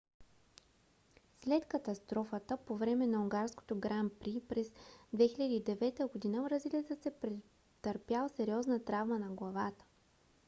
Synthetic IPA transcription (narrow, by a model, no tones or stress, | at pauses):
slɛt̪kət̪ɐst̪ɾɔfət̪əpovɾɛmɛnɐuŋɡaɾsko̥t̪oɡɾampɾipɾɛzd̪vɛxilʲəd̪iːd̪ɛvɛt̪əɡod̪inəvɾɐzilit̪səsɛpɾɛ | t̪əɾpjalˠsɛɾiɔznət̪ɾavmənɐɡlˠɐvat̪ə̥